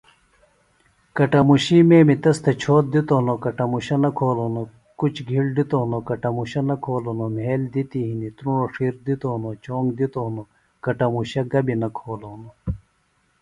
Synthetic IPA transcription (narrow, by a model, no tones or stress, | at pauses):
kɐʈɐmuɕimeːmit̪ɐst̪et͡ɕʰoːt̪̚d̪it̪onokɐʈɐmuɕɐnɐkʰoːloːno | kut͡ɕʰɡʱiɽɖit̪oːnokɐʈɐmuɕɐnɐkʰoːlonomeːld̪it̪iɦinit̪ɾuɳoʂiːɾd̪it̪oːnot͡ɕoːŋɡd̪it̪ono | kɐʈɐmuɕɐɡɐbinɐkʰoːloːno